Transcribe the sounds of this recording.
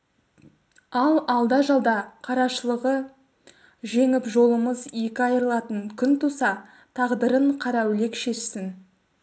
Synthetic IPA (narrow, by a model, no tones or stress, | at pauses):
ɑlˠɑlˠd̪ɑʒɑlˠd̪ɑqʰɑɾɑʃəlˠəʁə | ʒe̞ŋɪpʒo̞lˠəməzje̞kʲɪɑjəɾəlˠɑt̪əŋkʲʰʏnt̪ʰusɑ | t̪ʰɑʁd̪əɾəɴqʰɑɾɑwle̞kʃe̞ʃsɪn